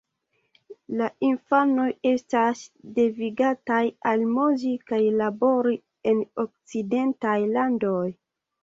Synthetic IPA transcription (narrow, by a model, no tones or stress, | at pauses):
laʔinfano̞je̞stasde̞viɡatajalmuzikajlabo̞ɾi | e̞nok̚t͡side̞ntajlando̞j